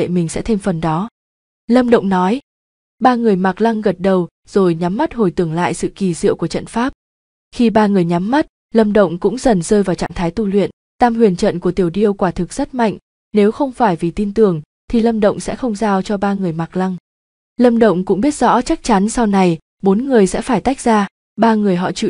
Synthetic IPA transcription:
ḛ˧˨mï˨˩ŋ̟sɛ̰˧˥t̪ʰe˧mfə˨˩nɗɔ˨˦ | lə˧mɗə̰˧˨wŋ͡mnɔ˨˦j | ɓaː˧ŋɨ˨˩əjma˨˩k̚la˧ŋɣə˨˩t̚ɗə˨˩w | z̥o˨˩jɲa˨˦mː˦˥t̚ho˨˩jt̪ɨ˨˩əŋla̰ː˧˨jsɨ̰˧˨ki˨˩zḭ˧˨əwku˧˩ət͡ɕə̰˧˨nfaː˦˥p̚ | xi˧ɓaː˧ŋɨ˨˩əjɲa˨˦mːa˦˥t̚ | lə˧mɗə̰˧˨wŋ͡mkʊ̰˧˥ŋ͡mzə˨˩nz̥əː˧jvaː˨˩wt͡ɕa̰ː˧˨ŋt̪ʰaː˨˦jt̪u˧˩lwḭ˧˨ən | t̪aː˧mhwi˧˩ənt͡ɕə̰˧˨nku˧˩ət̪i˨˩əwɗi˧əwkwaː˧˩t̪ʰɨ˨˩k̚sə˦˥t̚ma̰˧˨jŋ̟ | ne˨˦wxə˧wŋ͡mfaː˧˩jvi˨˩t̪i˧nt̪ɨ˨˩əŋ | t̪ʰi˨˩lə˧mɗə̰˧˨wŋ͡msɛ̰˧˥xə˧wŋ͡mzaː˧wt͡ɕɔ˧ɓaː˧ŋɨ˨˩əjma˨˩k̚la˧ŋ | lə˧mɗə̰˧˨wŋ͡mkʊ̰˧˥ŋ͡mɓi˦˥ət̚z̥ɔ̰˧˥t͡ɕa˦˥k̚t͡ɕa˨˦nsa˧wna˨˩j | ɓo˨˦nŋɨ˨˩əjsɛ̰˧˥faː˧˩jt̪a˦˥jk̚zaː˧ | ɓaː˧ŋɨ˨˩əjɦɔ̰˧˨t͡ɕɨ̰˧˨

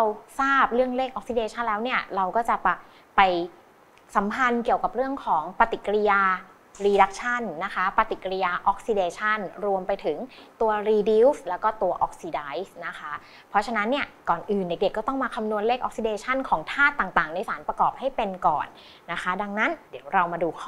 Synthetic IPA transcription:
ɾa˧wsaː˥˩p̚ɾɯ˥˩əŋleː˥˩k̚ʔɔ˨˦k̚si˧eː˧t͡ɕʰa˥˩nlɛː˦˥wni˥˩ɐɾa˧wkɔː˥˩t͡ɕa˨˩pa˨˩ | pa˧j | sa˩˦mpʰa˧nki˨˩əwka˨˩p̚ɾɯ˥˩əŋkʰɔː˩˦ŋpa˧t̪i˨˩kːɾi˧jaː˧ | ɾiː˧da˦˥k̚t͡ɕʰa˥˩nːa˦˥kʰa˦˥pa˧t̪i˨˩kːɾi˧jaː˧ʔɔ˦˥k̚si˧deː˧t͡ɕʰa˥˩nɾu˧əmpa˧jt̪ʰɯ˩˦ŋt̪u˧ɐɾiː˧di˦˥wslɛː˦˥wkɔː˥˩t̪u˧ɐʔɔ˦k̚siː˧da˦˥jsna˦˥kʰa˦˥ | pʰɔ˦˥t͡ɕʰa˧na˦˥nːi˥˩ɐkɔː˨˩nʔɯː˨˩nde˨˩k̚de˨˩kːɔː˥˩t̪ɔ˥˩ŋmaː˧kʰa˧mnu˧ənleː˥˩k̚ʔɔ˦˥k̚si˧deː˧t͡ɕʰa˥˩nkʰɔː˩˦ŋt̪ʰaː˥˩t̪ːaː˨˩ŋt̪aː˨˩ŋna˧jsaː˩˦npɾa˧kɔː˨˩p̚ha˥˩jpe˧nkɔ̰ː˨˩nː | a˦˥kʰa˦˥da˧ŋna˦˥ndi˩˦wɾa˧wmaː˧duː˧kʰ

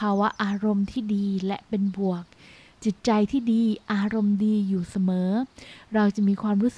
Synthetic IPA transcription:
aː˧wa˦˥ʔaː˧ɾo˧mt̪ʰiː˥˩diː˧lɛ˦˥pe˧nbu˨˩ək̚ | t͡ɕi˨˩t̪̚t͡ɕa˧jt̪ʰiː˥˩diː˧ʔaː˧ɾo˧mdiː˧juː˨˩sa˧mɤː˩˦ɾa˧wt͡ɕa˨˩ʔmiː˧kʰwaː˧mɾuː˦˥˨

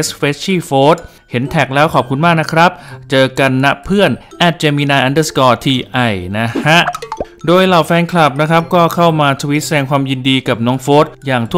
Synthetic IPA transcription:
e˦˥sweː˦˥s̚t͡ɕʰiː˥˩foː˦˥t̪̚ | he˩˦nt̪ʰɛ˨˩k̚lɛː˦˥wkʰɔː˨˩p̚kʰu˧nmaː˥˩k̚na˦˥kʰɾa˦˥p̚t͡ɕɤː˧ka˧nːa˦˥pʰɯ˥˩ənʔɛ˧˩t̪̚t͡ɕeː˧miː˧naː˧ʔa˧ndə˧˩skɔː˧t̪ʰiː˧ʔa˨˧˩jna˦˥ha˦˥ʔ | doː˧jlaː˨˩wfɛː˧nkʰla˨˩p̚na˦˥kʰɾa˦˥p̚kɔː˥˩kʰa˥˩wmaː˧t̪ʰu˧wi˦˥t̪̚sa˧dɛː˧ŋkʰwaː˧mji˧ndiː˧ka˨˩p̚nɔː˦˥ŋfoː˦˥t̪̚jaː˨˩ŋt̪ʰu˥

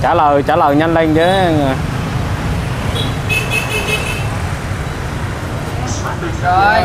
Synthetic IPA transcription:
t͡ɕaː˧˩ləː˨˩jt͡ɕaː˧˩ləː˨˩jɲa˧nle˧ŋzəː˨˦a˧nə˨˩j

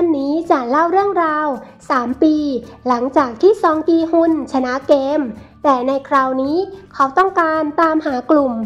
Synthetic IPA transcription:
a˥˩nːiː˦˥t͡ɕa˨˩la˥˩wɾɯ˥˩əŋɾaː˧wsaː˩˦mpiː˧la˩˦ŋt͡ɕaː˨˩k̚t̪ʰiː˥˩sɔː˨˧ŋkiː˧hu˧˩nt͡ɕʰa˧na˦˥ʔkeː˧mt̪ɛː˨˩na˧jkʰɾaː˧wniː˦˥kʰa˦˥wt̪ɔ˥˩ŋkaː˧nt̪aː˧mhaː˩˦klu˨˩m

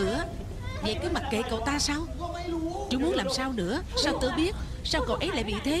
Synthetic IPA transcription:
ɨ̰˧˩˥ə | ɲa̰˧˨jkəː˨˦ma˨˩t̚ke˨˩kə̰˧˨˩wt̪aː˧saː˧w | t͡ɕʊ˨˦mu˨˦ənlaː˨˩msaː˧wnɨ̰˧˥əsaː˧wt̪ɨ˧ɓi˦˥ət̚ | saː˧wkə̰˨˩wʔə˨˦jla̰ː˧˨ɓḭ˧˨t̪ʰe˨˦

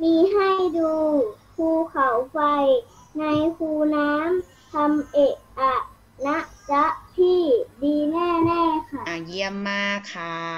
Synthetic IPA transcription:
miː˧ɦa˥˩jduː˧pʰuː˧˩kʰa˨˩˦wfa˧j | na˧jkʰuː˧naː˦˥m | t̪ʰa˧mʔe˨˩kʔa˨˩ | na˦˥ʔt͡ɕa˦˥ʔt̪ʰiː˥˩diː˧nɛː˥˩nɛː˥˩kʰa˧˥˩ji˧əmːaː˧kʰa˧˩

